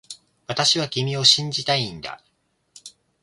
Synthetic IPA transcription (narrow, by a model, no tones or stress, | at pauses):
βat̪aɕiβakʲimʲio̞ɕĩɲ̟d͡ʑit̪aĩnd̪a̰